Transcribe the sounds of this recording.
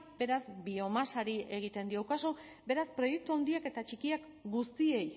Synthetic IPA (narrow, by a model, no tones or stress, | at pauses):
be̞ɾazbio̞masaɾie̞ɣ̞it̪e̞nd̪iowkaso | be̞ɾaspɾo̞je̞k̚t̪uawnd̪iake̞t̪at͡ʃikiak | ɡust̪ie̞j